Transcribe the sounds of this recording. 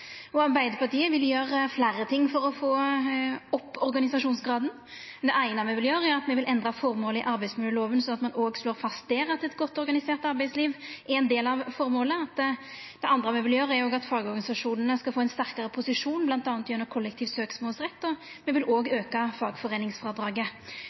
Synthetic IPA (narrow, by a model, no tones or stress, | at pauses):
ɔɑʁbæɪd̪əpʰɑʁʈ̪iːəʋɪljøːɾəflæːɾət̪ʰɪŋːfɔɾɔfoː | ɔpːɔɾɡɑnɪsɑʂuːnsɡɾɑːd̪n | d̪ɛʔæɪnɑmɛʋɪljøːɾəæɾɑt̪mɛʋɪlʔɛnd̪ɾɑfɔɾmoːləɪ̰ʔɑɾbæɪsmʉːləloːʋənsɔnɑt̪mɑnoːɡsloːɾfɑst̪d̪eːɾɑt̪ɛt̪ɡɔt̪ːɔɾɡɑnɪseːɾt̪ɑɾbæɪsliːʋʔɛɛnd̪eːlɑʋfɔɾmoːləɑt̪ | d̪̥ɛʔɑnd̪ɾəmɛʋɪljøːɾəæɾjoːɡɑt̪fɑːɡɔɾɡɑnɪsɑʂuːnənəskɑlfoːɛɪnst̪æɾkɑʁəpʰʊsɪʂuːnblɑnt̪ɑːnt̪jʉnəkʰʊlːɛk̚t̪ʰiːʋsøːksmoːlsʁɛt̪ːɔ | mɛʋɪlʔoːɡøːkɑfɑːɡfɔʁeːnɪŋsfʁɑːd̪ɾɑːɡə